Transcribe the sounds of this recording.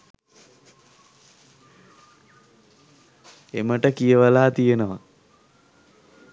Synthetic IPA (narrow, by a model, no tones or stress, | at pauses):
eməʈəkijəʋəlaːt̪ijənəʋa